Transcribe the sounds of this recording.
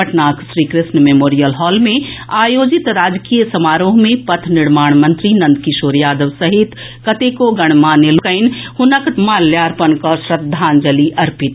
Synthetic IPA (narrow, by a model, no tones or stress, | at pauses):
ɐʈnaːkʰsɾiːkɾɪsnmemoːɾijəlɦɔːlmẽaːjoːd͡ʒɪt̪ɾaːd͡ʒkiːjəsɐmaːɾõmẽpɐt̪ʰnɪɾmaːɳ̃mə̃nt̪ɾinɐ̃nd̪kiʃoːɾjaːd̪əʋsɐɦit̪ | kɐt̪ekoɡɐɽ̃maːnelukəɪnhʊnəkmaːljaːɾpənkɔʃɾɐd̪ʱːaːnd͡ʒəliʔɐɾpɪt̪